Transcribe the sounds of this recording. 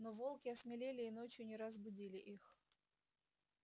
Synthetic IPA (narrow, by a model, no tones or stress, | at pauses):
novo̞lˠkʲɪɐsmʲɪlʲelʲɪːno̞t͡ɕjʊnʲɪɾəzbʊdʲilʲɪʔix